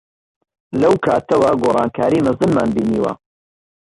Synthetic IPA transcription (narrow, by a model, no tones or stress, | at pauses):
lɐwkʰaːt̪ɐwɐɡoːrˤɑːnkʰaːɾiːmɨzɨnmaːnbiːniːwɐ̰